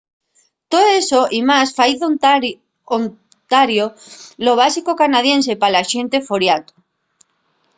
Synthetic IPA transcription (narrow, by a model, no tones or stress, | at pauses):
t̪ooesoʔimasfajθo | on | t̪aɾjoloβ̞asikokanað̞jens̬epalaʃent̪efoɾjat̪o̥